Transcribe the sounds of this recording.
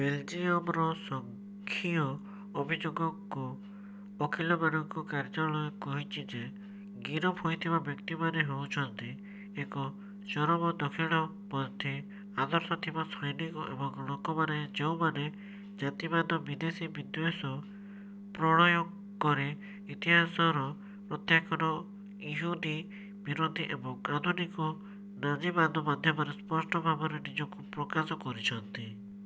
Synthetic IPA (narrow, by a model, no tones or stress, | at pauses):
beld͡ʒiɔmɾɔsɔŋ | kʰiɔː | bʱid͡ʒoɡɔkuː | kʰilɔbanɔŋkɔkaɾd͡ʒɔɭɔekɔɦit͡ʃʰid͡ʒe | ɡiɾɔpʰojt̪ʰibabjɔkt̪imaneɦowt͡ʃʰɔnt̪i | ekɔ | t͡ʃɔɾɔbɔd̪ɔkʰiɭ̃ɔ | pɔnt̪i | ad̪ɔɾsɔt̪ʰibasɔjnikɔʔḛbɔŋlokɔmaned͡ʒeũmane | d͡ʒat̪ibad̪ʱɔbid̪esibid̪wesɔ | pɾɔɽ̃ɔjɔ | kɔɾe | it̪iɦasɔɾɔ | pɾɔt̪jakɔɾɔ | iɦud̪i | biɾod̪ʱiʔebɔŋad̪ʱunikɔ | nad͡ʒibad̪ʱɔmad̪ʱjɔmɔɾespɔsʈɔbʱabɔɾenid͡ʒɔkupɾɔkasɔkɔɾit͡ʃʰɔnt̪i